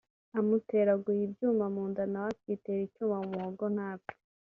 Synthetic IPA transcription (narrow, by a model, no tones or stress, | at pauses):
amute̞ɾaɡuhibjuːmamuːndanawat̚witeɾicuːmaumuoɡon̥haːpi̥